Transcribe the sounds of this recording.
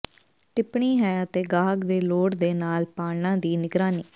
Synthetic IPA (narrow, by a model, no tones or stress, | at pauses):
ʈɪpɳiːɦɛːət̪eːɡaːɡd̪eːloːɽd̪eːnaːlpaːlnãːd̪iːnɪɡɾaːniː